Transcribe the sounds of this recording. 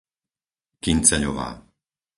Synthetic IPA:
kint͡sɛʎɔ̰ʋa̰ː

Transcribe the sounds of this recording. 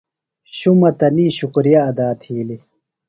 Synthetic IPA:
ɕumɐt̪ɐniːɕukɾijɐːd̪aːt̪ʰiːli

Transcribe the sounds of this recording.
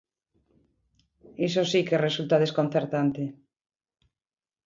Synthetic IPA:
isosikeresult̪aðeskonθeɾt̪ant̪e

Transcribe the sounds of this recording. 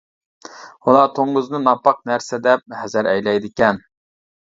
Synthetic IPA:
ulˠɑt̪ʰoŋːʊznɨnɑpːɑq̚næɾsɪd̪ɛp̚hɛzæɾɛjlɛjd̪ɪkʲɛn

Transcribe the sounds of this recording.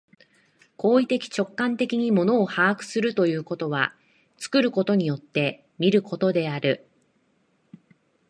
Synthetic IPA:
ko̞ːit̪e̞kʲi̥t͡ɕo̞kːãnt̪e̞kʲiɲ̟imo̞no̞ːhaːkɯ̟̥sɨɾɯ̟t̪o̞jɯ̟ːko̞t̪o̞β̞a̰ | t͡sɨ̥kɯ̟ɾɯ̟ko̞t̪o̞ɲ̟ijo̞t̪ːe̞ | mʲiɾɯ̟ko̞t̪o̞d̪e̞aɾɯ̟

